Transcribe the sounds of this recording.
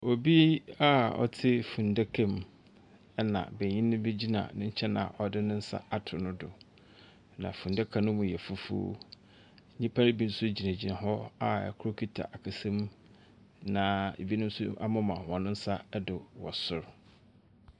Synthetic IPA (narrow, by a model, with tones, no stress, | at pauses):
o˨bi˦a˦ɔ̰˦tʰɪ˦fũ˨nda˦kʰã˦m | ɛ˦nã̰˨bɛ˨ɲĩ˦nʊ̃˦be˦d͡ʑi˦nã̰˨nʊ̃˦ɲ̩˦t͡ɕʰɛ˦nã̰˨ʔɔ˨dɪ˦nʊ̃˦n̩˦sa̰˦a˨tʰʊ˨nʊ̃˦dʊ̰˨ | nã̰˨fũ˨nda˦kʰã˨nʊ̃˦mũ˨jɛ˨fʊ˦fṵː˦ | ɲĩ˦pʰa˦ɾɪ˦bi˦n̩˦sʊ˦d͡ʑi˨nã˨d͡ʑi˨nã˨ɦɔ˦a̰˦˨kʰʊ˦ɾo˦kʰi˦tʰa̰˨ʔa˨kʰa˨sɛ̃˦m | nã˨ḛ˨bi˦nʊ̃˦sʊ˦a̰˦mʊ̃˦mã˨hɔ̃˨nʊ̃˦n̩˦sa˦dʊ˨wɔ̰˨sʊ˨ɾ